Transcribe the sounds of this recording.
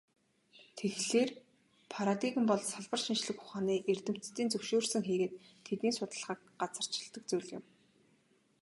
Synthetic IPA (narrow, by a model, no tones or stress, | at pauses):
t̪ʰexɮeːr | pʰaɾat̪iɣɘ̆mpɔɮsaɮpə̆rʃint͡ɕɮɘ̆xʊ̥χaːniːʔer̥t̪ɘ̆m̥t͡st̪iːnt͡sɵwʃoːrsɘ̆ŋxiːɣeːt̪ʰːet̪niːsʊt̪ə̆ɮχiːk̚ɢat͡sə̥̆t͡ɕʰɪ̥̆ɮt̪ə̆k̚t͡sujɮɪ̆m